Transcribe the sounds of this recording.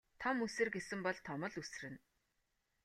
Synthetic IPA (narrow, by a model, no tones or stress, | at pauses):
t̪ʰɔmusɘ̆rɡesɘ̆mpɔɮt̪ʰɔmɞ̆ɮus̆rɘ̆n